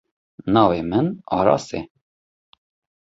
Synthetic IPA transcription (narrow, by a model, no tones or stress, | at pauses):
nɑːveːmɨnɑːɾɑ̰ːsḛː